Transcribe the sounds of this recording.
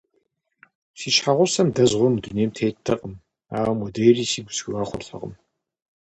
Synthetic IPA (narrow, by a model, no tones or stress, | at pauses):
siːʃħaʁʷɔsɐmdɐzʁʷɔmduneːmtʰeːttʰɐqʼəm | aːwmɔdejriːsiːɡʷʊsɡraːχʷɔ̰rɬɐ̰qʼə̰m